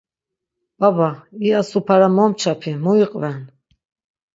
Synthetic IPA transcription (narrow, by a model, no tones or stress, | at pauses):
b̥abaiasupʰaɾamɔmt͡ʃʰapʰimuiqʼvɛn